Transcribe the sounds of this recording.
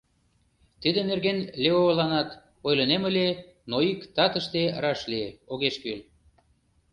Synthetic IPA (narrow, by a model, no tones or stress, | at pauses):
t̪id̪enerɣenleolɑnɑt̪ | ojləneməlʲe | noikt̪ɑt̪əʃt̪erɑʃlieoɣeʃkyl